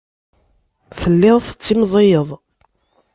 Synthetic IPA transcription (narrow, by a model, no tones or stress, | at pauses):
θəlːɪʁθə̥t͡sːimzˤejəðˤ